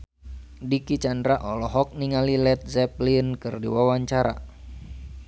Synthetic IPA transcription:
dikit͡ʃandɾaʔɔlɔɦɔk̚niŋalilɛt̪̚zɛp̚linkɨrdḭwawaɲt͡ʃaɾa̰

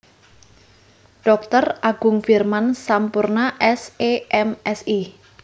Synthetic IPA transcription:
ɖ̥ɔk̚t̪ərʔaɡ̥ʊŋfirmansampurnaʔɛseɛmɛsi

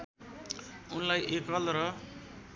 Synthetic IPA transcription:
unlajʔekʌlɾʌ

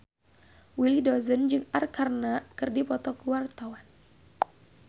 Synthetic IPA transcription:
wilidɔzənd͡ʒɨŋarkarnakɨrdipɔt̪ɔkəwart̪awan

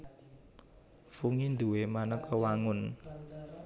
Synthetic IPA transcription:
fuŋind̪uwemanəkʰɔwaŋʊn

